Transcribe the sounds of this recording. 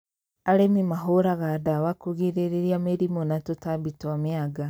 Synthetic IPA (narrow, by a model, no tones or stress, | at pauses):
aɾemimaɦoɾaɣadawakoɣiɾeɾeɾjameɾimonatotabitwamiaɡa